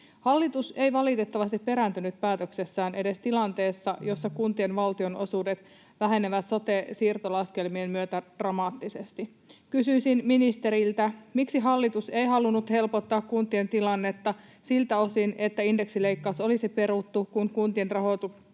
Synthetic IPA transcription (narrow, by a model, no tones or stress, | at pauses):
hɑlːit̪use̞iʋɑlit̪e̞t̪ːɑʋɑst̪ippːe̞ɾænt̪ynyt̪̚pæːt̪økse̞sːæːnʔe̞de̞st̪ilɑnt̪e̞ːsːɑjo̞sːɑkunt̪ienʋɑlt̪io̞no̞suːdet̪ | ʋæɦe̞neʋæt̪so̞t̪e̞siːrt̪olɑske̞lmiemmyøt̪æd̥rɑmɑːt̪ːisest̪i | kysyisinminist̪e̞ɾilt̪æmiksiɦɑlːit̪use̞iɦɑlunːut̪he̞lpot̪ːɑːkkunt̪ie̞nt̪ilɑnːe̞t̪ːɑsilt̪æo̞sine̞t̪ːæinde̞ksile̞ikːɑuso̞lisipe̞ɾut̪ːukunkunt̪ienrɑɦo̞t̪u